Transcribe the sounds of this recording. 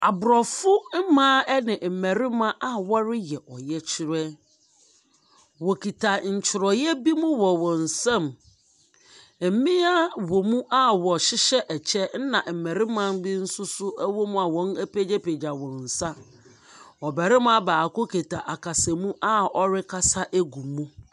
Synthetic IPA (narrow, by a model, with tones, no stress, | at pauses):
a˨bʊ˨ɾɔ˨fʊ˦m̩˦mã˦ɛ˦nɪ̃˨m̩˨mæ˨ɾɪ˦mã˦ʔa˨wɔ˦ɾɪ˦jɛ˨ʔɔ˨jɛ˦t͡ɕʰɪ˦ɾɛ˦ | wɔ˨kʰi˨tʰa˨ɲ̩˨t͡ɕʰɪ˨ɾɔ˨jɛ˦bi˦mũ˦wɔ˨wɔ̃˨n̩˨sã˦m˨˦ | mĩ˦a˦wɔ˨mũ˦ʔa˦wɔ˨ɕɪ˦ɕɛ˦ʔɛ˨t͡ɕʰɛ˦n̩˦nã˨m̩˨mæ˨ɾɪ˦mã˦n˦bɪ˦n̩˦sʊ˦sʊ˦æ˦wɔ˦mũ˦a˨wɔ̃˦næ˦pe˦d͡ʑɛ˦pe˨d͡ʑa˨wɔ̃˨n̩˨sa˦ | ɔ˨bɛ˨ɾɪ˦m˦a˦baː˨ko˦kʰe˨tʰa˨ʔa˨kʰa˨sɛ˨mũ˦ʔa˦ɔ˦ɾɪ˦kʰa˦sa˦ʔe˦ɡũ˨mũ˦